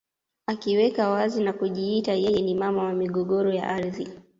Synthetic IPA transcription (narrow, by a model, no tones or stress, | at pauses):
akiwɛkawazinakuʄiitajɛjɛnimamawamiɠɔɠɔɾɔja̰ʔaɾði